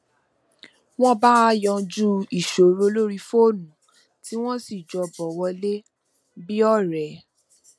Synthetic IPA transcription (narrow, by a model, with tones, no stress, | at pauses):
w̃ɔ̃˦ba˦jɔ̃˧d͡ʒu˦i˦˨ʃo˨ɾo˧˦lo˦ɾi˧fo˦˨nũ˨ | ti˦w̃ɔ̃˦si˦˨d͡ʒɔ˧bɔ˨wɔ˧le˦ | bi˦ɔ˦˨ɾɛ˨